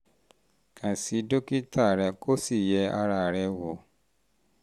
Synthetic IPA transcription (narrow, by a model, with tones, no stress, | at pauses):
kʰã˨si˨˧˦do˦ki˦tʰa˦˨ɾɛ˧kʰo˦si˦˨jɛ˨˧˦a˧ɾa˧˨ɾɛ˧wo˨